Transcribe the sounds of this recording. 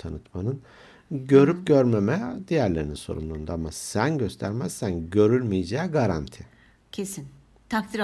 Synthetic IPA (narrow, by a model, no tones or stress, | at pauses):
t̪ʰanɯt̪manɯn | ɟø̞ɾyp̚ɟøɾme̞mɛd̪ijæɾlʲe̞ɾininso̞̰ɾṵmlˠuːnd̪aamasænɟøst̪ʰæɾmæz̥sænɟø̞ɾylʲmijid͡ʒaːɡaɾant̪ʰi | cʰesin | t̪ʰakt̪ʰiɾ